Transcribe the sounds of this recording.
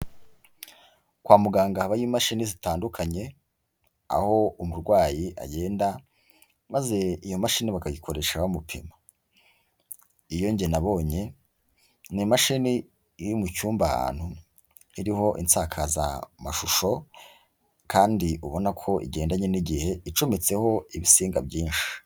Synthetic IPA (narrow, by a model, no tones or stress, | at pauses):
kwaːmuɡaːŋɡahaβajimaʃinizitaːndukʰaɲe̞ | a̰ho̞umuɾɡwaːjiʔa̰ɟe̞ːnda | maze̞ijo̞maʃiniβakajikʰo̞ɾe̞ʃaβamupʰḭma | ijo̞ɲɟe̞naβo̞ːɲe̞ | nimaʃini | jumucuːmbaha̰ːn̥hu | iɾiho̞ʔḭnt͡saːkʰaza̰maʃuʃo̞ | kʰaːndiuβo̞nakʰo̞ʔḭɟe̞ːndaɲe̞niɟihe̞it͡ʃomet͡se̞ho̞iβisiːŋɡabɟiːnʃi̥